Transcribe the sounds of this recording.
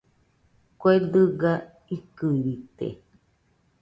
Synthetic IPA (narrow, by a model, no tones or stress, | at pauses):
koed̪ɨɡa | ikɨβit̪ḛ